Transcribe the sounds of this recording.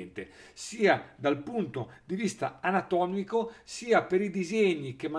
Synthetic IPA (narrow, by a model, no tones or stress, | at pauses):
nt̪esiːad̪alpunt̪od̪ivist̪a̰anat̪ɔːmikosiːapeɾid̪izeɲːikemːa